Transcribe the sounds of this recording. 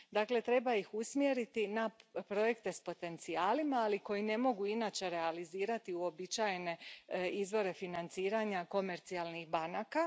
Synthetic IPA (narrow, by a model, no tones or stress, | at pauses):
d̪akle̞t̪ɾe̞baixusmje̞ɾit̪inapɾo̞je̞kt̪e̞spo̞t̪e̞nt̪siaːlimaːliko̞jine̞mo̞ɡuinaːt͡ʃe̞ɾe̞aliziːɾat̪iuo̞bit͡ʃajene̞izʋo̞ɾe̞finant̪siːɾaɲako̞me̞ɾt̪siaːlˠnixbanaːka